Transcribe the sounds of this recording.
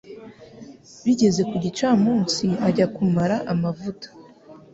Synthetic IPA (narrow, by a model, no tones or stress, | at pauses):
βiɟe̞ze̞kuɟit͡ʃaːmuːnt͡siaɟakumaɾaʔamavutḁ